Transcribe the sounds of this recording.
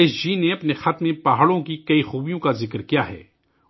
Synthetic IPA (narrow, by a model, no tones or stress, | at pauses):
eːsd͡ʒineɐpnexat̪mẽpaɦaːɽõkikɐixuːbijõkazɪkɾkijaɦɛ̰ː